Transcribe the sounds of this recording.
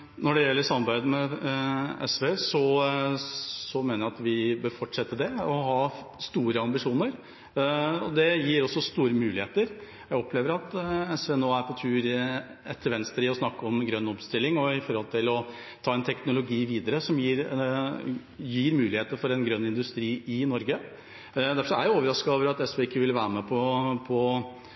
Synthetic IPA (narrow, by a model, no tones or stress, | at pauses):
nɔɖɛjɛlːəɾʂɑmːɑɾbæɪd̪əmɛ | ɛ̰sʋeːsɔ | sɔmeːnəjæɑt̪ʋɪbøɾfɔʈːʂɛt̪ːəd̪ɛɔɦɑː | st̪uːɾəɑmbɪʂuːnəɾ | ɔ̰d̪ɛjiːɾɔsːɔst̪uːɾəmʉːlɪeːt̪əɾ | jæɡɔpleːʋəɾɑt̪ɛsʋeːnoːæɾpʰɔt̪ʰʉːɾɛt̪ʰːəɾʋɛnst̪əɾɪɔsnɑkːəɔmɡɾœnːɔpst̪ɪlːɪŋɔɪfɔɾhɔlt̪ʰɪlɔ | t̪ʰɑːɛnt̪ʰɛknʊlʊɡiːʋiːd̪əɾəsɔmjiːɾ | jiːɾmʉːlɪheːt̪əɾfɔɾɛnɡɾœnːɪnd̪ʉst̪ɾiːɪnɔɾɡə | d̪æɾfʂɔæɾjoːʋəɾɑskɑoːʋəɾɑt̪ɛsʋɛɪkːəʋɪlʋæːɾəmɛpʰɔpʰɔ